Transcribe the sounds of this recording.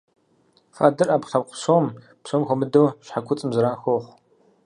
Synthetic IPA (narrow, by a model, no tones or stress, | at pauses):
fa̰ːdɨrʔaːpχɐpqʷʰʊsoːm | psoːmxʷɔmɨdowɕħakʷʰʊt͡sʼɨmzɨɾaːxʷoχʷ